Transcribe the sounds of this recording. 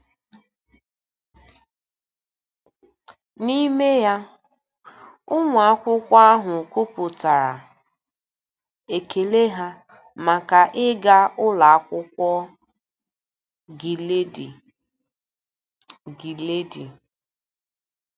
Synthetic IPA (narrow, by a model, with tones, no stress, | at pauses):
ni˦me˦ja˦ | ʊ˦ŋʷ˨a˦kʷʊ˦kʷa˦a˦ɦʊ˨ku˦pʊ˨ta˨ɾa̰˨ | e˨ke˨le˦ɦa˦ | ma˨ka˨ʔɪ˦ɡa˦ʊ˦la˨a˦kʷʊ˦kʷɔ˦ | ɡi˨le˦di˨ | ɡi˨le˦di˨